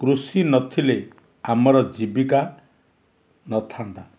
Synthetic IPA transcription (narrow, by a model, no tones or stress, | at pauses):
krusinʌt̪ʰile | amʌɾʌd͡zibika | nʌt̪ʰand̪a